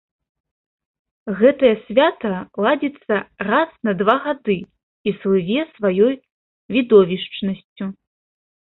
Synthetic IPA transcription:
ɣɛt̪ɐjɐsʲvʲat̪ɐlˠad͡zʲit̪sːɐrasnɐd̪vaɣad̪ɨ | islˠɨvʲɛsvajɔj | vʲid̪ɔvʲiʂt͡ʂnɐsʲt͡sʲu

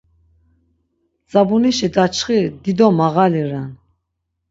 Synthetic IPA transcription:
d͡zabuniʃid̪at͡ʃʰχid̪id̪ɔmaɣaliɾan

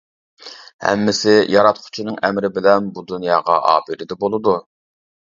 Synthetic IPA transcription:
hɛ̰mːɪsɪjʔɑɾɑt̪qʰʊ̥t͡ʃʰinɨŋɛmɾɪbɪlɛnbud̪unjɑːʁɑ̰ʔɑ̰ːbɪɾɪd̪ɛbolˠɨd̪u

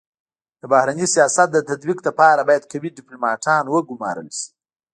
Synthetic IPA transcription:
d̪̥əbahɾanisijɑsat̪̚d̪ət̪ad̪bikd̪əpɑɾabɑjad̪kawiɖɪplumɑʈʰɑnwəɡʊmɑ̰ɾə̰lʃi̥

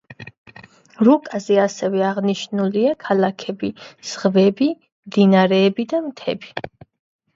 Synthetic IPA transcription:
ɾukʼazɛasɛvɛaʁniʃnuliakʰalakʰɛbiz̥ʁvɛbi | md̪inaɾɛːbid̪amt̪ʰɛ̰bi

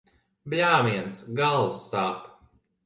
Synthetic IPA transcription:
blʲaːmiɛnt̪sɡalˠwsːaːp

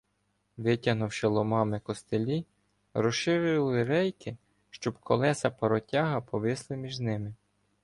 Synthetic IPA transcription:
ʋɪtʲɐnʊwʃɪlˠɔmɑmɪkɔst̪elʲij | ɾɔsʃɪɾɪlˠɪɾɛjkɪ | ʃt͡ʃɔbkʰɔlˠɛsɐpɔɾɔtʲɑɦɐpɔʋɪslˠɪmʲiʒnɪmɪ

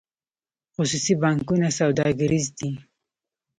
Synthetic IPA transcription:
xʊsusibɑŋkunasawd̪ɑɡaɾizd̪i

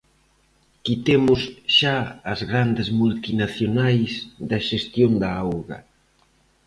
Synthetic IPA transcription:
kit̪emʊsʃaɐzɣɾand̪ɪzmult̪inaθjonajsðɐʃest̪jond̪ɐawɣɐ̰

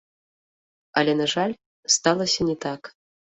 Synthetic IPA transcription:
ɐlʲɛnaʐalʲ | st̪alˠɐsʲɐnʲɛt̪ak

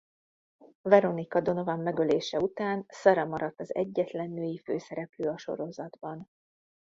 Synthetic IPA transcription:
vɛɾo̞nikɒd̪o̞no̞vamːɛɡøleːʃɛut̪aːnsɒɾɛmɒɾɒt̪ːɒzɛ̰ɟːɛt̪lɛnːøːjifø̰ːsɛɾɛpløːɒʃo̞̰ɾo̞zɒd̪bɒn

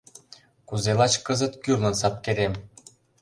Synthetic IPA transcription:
kuzelɑt͡ɕkɤzə̆t̪kyrlɤ̆nsɑp̚keɾem

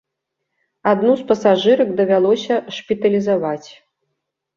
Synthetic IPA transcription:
ad̪nuspɐsaʐɨɾɐɡd̪ɐvʲalˠɔsʲɐʂpʲit̪ɐlʲizavat͡sʲ

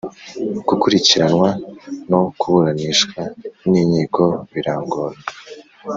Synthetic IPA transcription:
ɡ̥ukuɾiciɾanwano̞kuβuɾaniʃkwaniːɲiːko̞βiɾaːŋɡo̞ːɾ

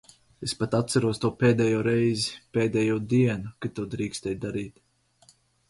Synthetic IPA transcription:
espat̪at̪saɾuɔst̪uɔpeːd̪ɛjuːɾɛjzipeːd̪ʲɛjuɔd̪iɛnukat̪uːd̪ɾiːkst̪ɛjd̪aɾiːt̪

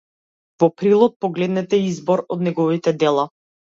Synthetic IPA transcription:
vɔpɾilˠɔt̪̚pɔɡlɛd̪nɛt̪ɛizbɔɾɔd̪nɛɡɔvit̪ɛd̪ɛlˠa

